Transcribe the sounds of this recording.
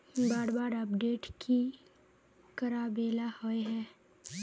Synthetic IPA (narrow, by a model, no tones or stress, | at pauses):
baːɽbaːɾəpɖeːʈkʰi | kəɾaːbeːlahoeɦɛː